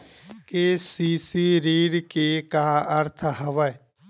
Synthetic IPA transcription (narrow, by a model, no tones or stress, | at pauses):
keːsiːsiːɾiːɾkeːkaːəɾt̪ʰɦəʋə